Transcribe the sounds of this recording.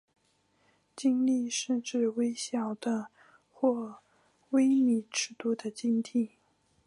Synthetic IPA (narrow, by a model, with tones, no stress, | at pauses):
t͡ɕi˥ŋli˥˧ʂə˥˧ʈ͡ʂɻ̩˥˩we˥ɪɕjɑ˥˩ʊd̪̥ə˨˦ | xwɔ˥˩ | we˥ɪi˨˩ʈ͡ʂɻ̩˥˩t̪u˥˩d̪ə˨t͡ɕi˥nt̪ʰi˥˩